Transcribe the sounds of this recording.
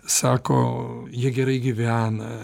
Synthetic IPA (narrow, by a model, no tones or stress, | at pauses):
sɑːkoːjiɛɡʲɛɾɐɪɡʲiʋʲæːnɐ